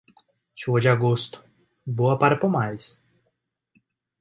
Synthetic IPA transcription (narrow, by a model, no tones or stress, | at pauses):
suɐd͡ʒɪaɡost̪ʊ̥ | boɐpaɾɐpomajs